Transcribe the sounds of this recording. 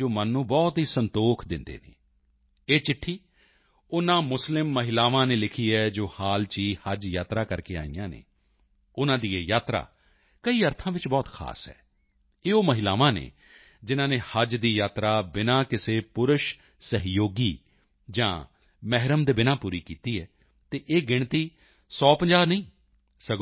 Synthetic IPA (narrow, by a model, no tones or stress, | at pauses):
oːmənːũːbɔːt̪ɦiːsənt̪oːkʰd̪ɪnd̪ḛːnḛː | eːt͡ʃɪʈʰːiː | ʊnãːmʊslɪmːəɦɪlaːʋãːneːlɪkʰiːɦɛːd͡ʒoːhaːlt͡ʃiːhəd͡ʒjaːt̪ɾaːkəɾkeːa̰ːḭjã̰ːnḛː | ʊnãːd̪iːeːjaːt̪ɾa̰ː | kəiːəɾt̪ʰãːʋɪt͡ʃbɔːt̪kʰa̰ːsɦɛ̰ː | eːoːməɦɪlaːʋãːnḛː | d͡ʒɪnãːneːhəd͡ʒd̪iːjaːt̪ɾaːbɪnãːkɪseːpʊɾʊʃ | səɦjoːɡiː | d͡ʒã̰ː | mɛɦɾəmd̪eːbɪnãːpuːɾiːkiːt̪iːɦɛː | t̪eːʔeːɡɪɳ̃t̪iː | sɔːpə̃ɲd͡ʒaːɾnəĩː | səɡ